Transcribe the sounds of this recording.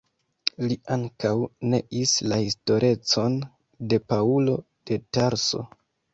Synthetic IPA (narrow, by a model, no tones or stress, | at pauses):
liʔaŋkawne̞ʔislahisto̞ɾʔe̞t͡so̞n | de̞paulo̞ | d̥e̞taɾso̞̰